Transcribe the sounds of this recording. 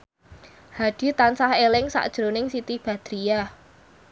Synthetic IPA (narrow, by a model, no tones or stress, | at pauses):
haɖ̥i̤t̪ansahelɪŋsa̰ʔd̥ʒ̥ɾonɪŋsit̪ib̥a̤d̪̥ɾija